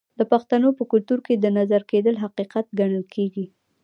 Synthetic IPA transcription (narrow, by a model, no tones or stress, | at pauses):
d̪̥əpaxt̪anopəkʊlt̪uɾked̪ənazaɾked̪əlɦaqiqat̪ɡaɳəlkʰeɡi